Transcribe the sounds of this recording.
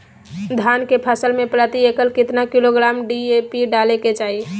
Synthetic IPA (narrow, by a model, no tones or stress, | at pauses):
d̪ʱankepʰəsəlmepɾət̪iekəlkɪt̪nakiloɡɾamɖiepiɖaleket͡ʃaɦi